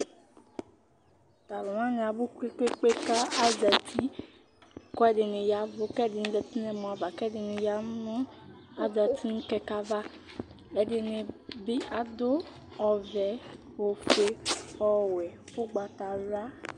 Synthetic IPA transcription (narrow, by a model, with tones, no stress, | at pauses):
t̪a˨lɔ˨mã˦nẽ˨a˨bu˦ke˦k͡pe˦k͡pe˦ka˦a˦da˨t̪i˦ | kɔ˦ɛ˦ɖe˨ne˨ja˨vo˦kɛ˦˨de˨ñ̩˦dɛ˨t̪i˦nɛ̃˨mɔ̃˨a˨va˨kɛ˦ɖe˨nẽ˨ja˨˦nɔ̃˦a˦d͡ʒa˨t̪i˦ŋũ˦kɛ˦ka˦va˦ | e˨ɖe˨nẽ˨be˦ʔa˨d̪o˦ | ɔ˨vɛ˨ | wo˨fe˦xɔ˦wɛ˨fo˦ɡ͡ba˨t̪a˨la˦